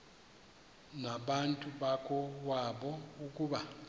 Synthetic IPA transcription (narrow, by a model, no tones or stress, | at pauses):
naɓantʼuɓakʰɔwaɓɔuk̬ʼuɓa